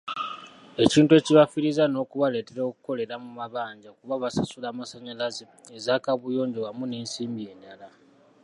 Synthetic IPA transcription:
e̞ciːntue̞ciβafiɾizano̞ːkuβale̞ːte̞ɾo̞ːku̥ko̞le̞ɾamumaβaːɲɟakuβaβasasulaːmasaɲalaze | ezaːkaβujo̞ːɲɟowamune̞ːnsiːmbije̞ːndala

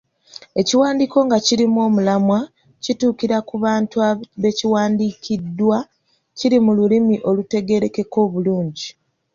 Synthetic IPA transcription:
e̞ciwaːndiːko̞ŋɡaciɾimo̞ːmulamwa | cituːkiɾakuβaːntuaβe̞ciwaːndikidːwa | ciɾimululimiʔo̞lute̞ɡe̞ɾe̞keko̞ːβuluːɲɟi

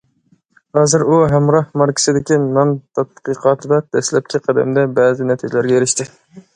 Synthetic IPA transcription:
hɑːzɨɾuɦæmɾɑhmɑɾkʲʰɪ̥sɪd̪ɪkʲinɑnt̪ʰɑt̪̚qɨqʰɑːt̪ʰɨd̪ɑd̪̥ɛslɛp̚kʲiqʰɑd̪ɛ̰md̪ɛbɛːzɪnɛt̪ʰid͡ʒʲlæɾɡʲɛjeɾɪʃt̪ɪ

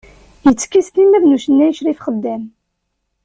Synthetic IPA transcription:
jət͡sːkːist̪imæðnuʃənːæjəʃɾifχəd̪ːæm

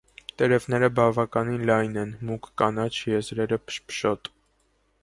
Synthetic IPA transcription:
t̪ɛɾɛvnɛɾəbɑvɑkɑninlɑjnɛnmukʰkɑnɑt͡ʃʰjɛzɾɛɾəpʃpʰʃɔt̪

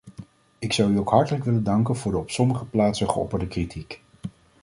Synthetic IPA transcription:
ɪksɑwyowkɦɑɹtələkʋɪləndɑŋkənv̥ʊːɹdəɔpsɔməχəplaːtsəχəɔ̰pəɹdəkritʰik

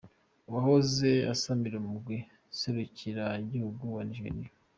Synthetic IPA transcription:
wahozea̰samiɾumuɡwe | seɾuciɾaiɟihuɡuwaniʒeɾija

